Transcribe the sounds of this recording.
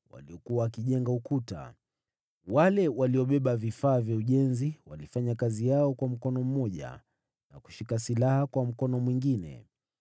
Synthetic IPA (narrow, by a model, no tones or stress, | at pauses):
wa̰liɔkuwaːkiʄɛŋɡaukuta̰ | walɛwaliɔɓɛɓavifaːvjauʄɛnziwalifaɲakazijaɔkwam̩kɔnɔm̩mɔʄa̰ | na̰ku̥ʃikasilahakwam̩kɔnɔmwiŋɡinɛ̰